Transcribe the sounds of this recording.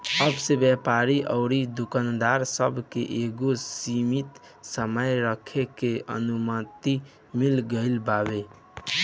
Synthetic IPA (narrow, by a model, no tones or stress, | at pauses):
əbsebjɛpaɾiʔəʊɾid̪ukənd̪aɾsəbʱkḛʔeɡosimit̪ | səməjɾəkʰekeə̰numət̪i | milɡəɪlbabe